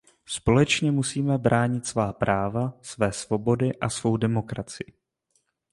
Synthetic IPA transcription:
spo̞lɛt͡ʃɲɛmusiːmɛbɾʔaːɲɪt̪svaːpɾʔaːvasvɛːsvo̞bo̞dɪʔasvo̞wdɛmo̞kɾat͡sɪɪ

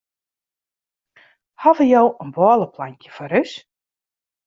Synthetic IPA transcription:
hɔvəjowənbɔːlˠəplaɲkjəfɔɾøs

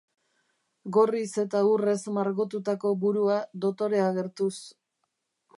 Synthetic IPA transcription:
ɡo̞rise̞t̪aure̞zmaɾɣo̞t̪ut̪ako̞buɾuad̪o̞t̪o̞ɾe̞aɣe̞ɾt̪us

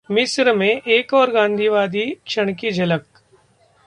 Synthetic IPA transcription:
mɪsɾəmẽʔeːkɔːɾɡãːnd̪ʱiːʋaːd̪ikʃɐɽ̃k̬id͡ʒʱɐlək

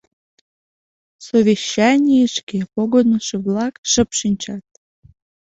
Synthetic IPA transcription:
soβʲiɕːɑnʲijəʃkepoɣonəʃĕβlɑkʃə̆pʃinʲt͡ɕɑt̪̚

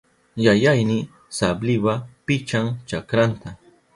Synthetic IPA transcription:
jajajnɪ | sablɪwapɪt͡ʃaŋt͡ʃakɾant̪a

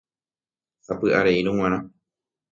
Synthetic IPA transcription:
sapɨʔaɾeiɾũw̃ʷãɾ̃ã

